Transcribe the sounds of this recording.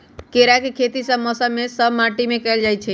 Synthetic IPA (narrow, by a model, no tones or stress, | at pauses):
keɾakekʰet̪isəbmɔsəmːesəbmaʈimekɛld͡ʒajt͡ʃʰɛ